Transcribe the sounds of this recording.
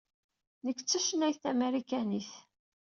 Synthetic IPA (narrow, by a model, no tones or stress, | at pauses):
nəkːt͡sːəʃənæjθæmæɾikæniθ